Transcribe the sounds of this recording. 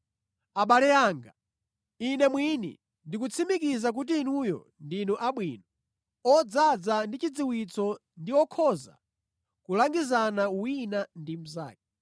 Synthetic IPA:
aɓalɛaːŋɡa | inɛmwinḭ | ndikut͡sʰimikizak̬ut̬iːnujɔ̰ | ndinuʔaɓwiːnɔ | ɔd͡zad͡zandit͡ʃid͡ziwit͡sɔ | ndiɔkʰɔza̰ | kulaŋɡizanawwinandim̩za̰ːk̚ɛ

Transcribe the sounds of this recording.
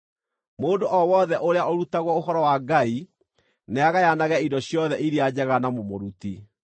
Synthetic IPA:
moːndoʔɔwɔðɛʔoɾeaʔoɾutaɣwɔoɦɔɾɔwaɡai | neaɣajanaɣɛindɔɕjɔðɛʔiɾiad͡ʑɛɣanamomoɾuti

